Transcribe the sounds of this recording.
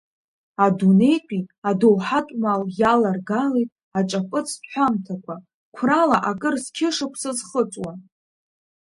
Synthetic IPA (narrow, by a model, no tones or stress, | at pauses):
adune̞jqʲʼiadowħatʼmaljalarɡalejtʼ | at͡ʃʼapʼɨt͡sʰtħʷamtʰakʷʰa | kʷʰralaʔakʼɨrskʲʰɪʂɨkʷʰsɨzχət͡sʼwa